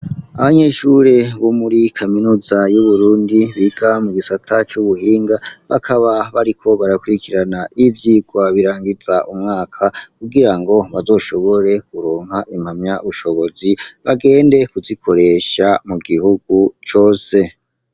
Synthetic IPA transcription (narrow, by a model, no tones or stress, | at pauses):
aβaɲe̞ʃuɾe̞βomuɾikʰaminuzajuβuɾuːndiβiɡ̥amuɡisatʰat͡ʃuβuhiːŋɡaβakʰaβaβaɾikʰo̞βaɾakuɾikʰiɾanaʔivjiːɡwaβiɾaːŋɡiz̥aʔumŋaːkʰakuɡiɾaŋɡo̞βazo̞ːʃo̞βo̞ɾe̞kuɾoːŋhaʔimhamɲaʔuʃo̞βo̞ziβaɡe̞ːnde̞kuzikʰo̞ɾe̞ʃamuɡihuɡ̥̚ut͡ʃo̞ːse̞